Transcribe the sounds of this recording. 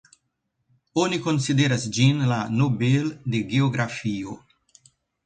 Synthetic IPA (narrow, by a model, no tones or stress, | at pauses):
oniko̞nsid̪eɾasd͡ʒinlanobeld̪eɡeoɡɾafio